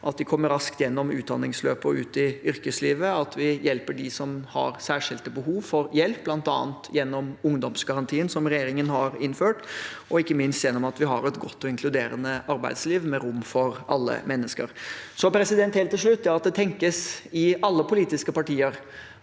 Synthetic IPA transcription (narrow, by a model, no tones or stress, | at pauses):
ʔɑt̪d̪ɪkʰɔmːəɾɑskt̪jɛnːɔmʉ̰ːt̪̚d̪ɑnːɪŋsløːpəʉːt̪ɪʏɾkəsliːʋəɑt̪ʰʋɪjɛlpəɖɪsɔmhɑ̰ɾsæːʂɪlt̪əbəɦuːʋfɔɾjɛlpːb̥lɑnt̪ɑ̰ːnt̪jɛnːɔmʊŋd̪ɔmsɡɑɾɑnt̪ʰiːənsɔmɾɛjeːɾɪŋənhɑɾɪnføːʈɔɪkːəmɪnst̪jɛnːɔmɑt̪ʋɪɦɑ̰ɾɛt̪ɡɔt̪ːɔɪŋkʰlʉd̪eːɾə̰nəɑɾbæɪd̪sliːʋmɛɾʊmːfɔɾɑlːə̰mɛnːəskə̰ɾsɔpʰɾɛsɪd̪ɛnt̪helt̪ːɪlʂɭʉt̪ːɛɑt̪̚d̪ɛt̪ʰɛŋkəsɪɑlːəpʰʊliːt̪ɪskəpɑʈiːəɾ